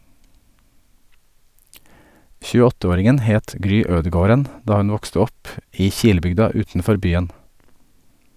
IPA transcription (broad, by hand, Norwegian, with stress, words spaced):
çʉːəˈɔtəˌoːɾɪŋən ˈheːt ˈɡɾyː ˈøːdəˌɡoːɾən ˈdɑː ˈhʉn ˈʋɔkstə ˈɔp ˈiː ˈçiːləˌbʏɡdɑ ˈʉːtn̩ˌfɔɾ ˈbyːən